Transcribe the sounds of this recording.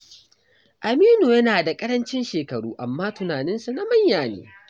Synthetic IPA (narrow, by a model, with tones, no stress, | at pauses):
ʔa˨miː˦nu˨jɐ˦naː˨da˨kʼɐ˦ɾɐ˦nt͡ʃɪ˦nʃeː˨kɐ˨ɽuː˦ʔa˨mːaː˦tʊ˨naː˨nɪ˦nsu˨na˦mɐ˦ɲjaː˨nḛː˦